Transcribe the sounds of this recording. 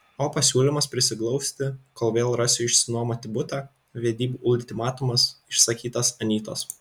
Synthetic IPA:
oːpɐsʲuːlʲɪmɐspʲɾʲɪsʲɪklˠɒʊsʲt̪ʲɪkoːlˠʋʲeːlˠɾɐsʲjɪʃʲsʲɪnuɔmɐt̪ʲɪbʊt̪ɑ | ʋʲeɛd̪ʲiːbuːʔʊlʲt̪ʲɪmɑːt̪ʊmɐsɪʃsɐkʲiːt̪ɐsɐnʲiːt̪o̰ːs

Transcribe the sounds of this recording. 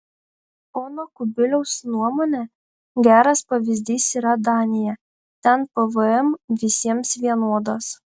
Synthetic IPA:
oːnokʊbʲɪlʲɛʊsnuɔmoːnʲɛ | ɡʲæːɾɐspɐʋʲɪzʲd̪ʲiːsiːɾɐd̪ɑːnʲɪjɛ | t̪ʲɛnpɐʋɨɛmʋʲɪsʲiɛmsʋʲiɛnoɔd̪ɐs

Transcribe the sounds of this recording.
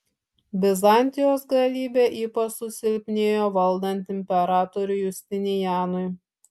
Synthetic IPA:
bʲɪzɐˑnʲt̪ʲɪjoːsɡɐlʲiːbʲeʔiːpɐt͡ʃsʊsʲɪlʲpʲnʲeːjoːʋɐlˠd̪ɐnʲt̪ʲɪmʲpʲɛɾɑːt̪ɔɾʲʊjʊsʲt̪ʲɪnʲɪjæːnʊj

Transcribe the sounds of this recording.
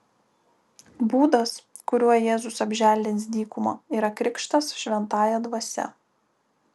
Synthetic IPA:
buːd̪ɐs | kʊɾʲuɔjjeːzʊsɐbʲʒʲæːlʲd̪ʲɪnʲsd̪ʲiːkʊmoːiːɾɐkɾʲɪkʃt̪ɐsʃʲʋʲɛnt̪ɑːjɛd̪ʋɐsʲɛ̰

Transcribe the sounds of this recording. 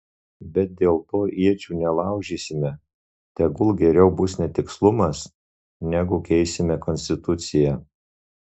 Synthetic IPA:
bʲɛt̪̚d̪ʲeːlˠt̪oːʔiɛt͡ʃʲuːnʲɛlˠɑˑʊʒʲiːsʲɪmʲɛ | t̪ʲɛɡʊlˠɡʲɛɾʲɛʊbʊsnʲɛt̪ʲɪkslˠʊmɐs | nʲæɡʊkʲɛɪsʲɪmʲɛkɔnʲsʲt̪ʲɪt̪ʊt̪sʲɪjɛ

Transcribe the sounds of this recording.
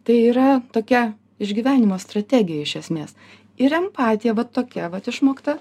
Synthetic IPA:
t̪ɐɪiːɾɐt̪oːkʲɛ | ɪʒʲɡʲiːʋʲæːnʲɪmoːst̪ɾɐt̪ʲæɡʲɪjɛɪʃʲɛsʲmʲeːs | ɪɾɛmpɑːt̪ʲɪjɛʋɐt̪oːkʲɛʋɐt̪ɪʃmoːkt̪ɐ

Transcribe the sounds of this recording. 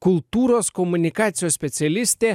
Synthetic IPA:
kulˠt̪uɾoskomunʲikat̪sʲijosʲpʲesʲɪalʲisʲt̪ʲe

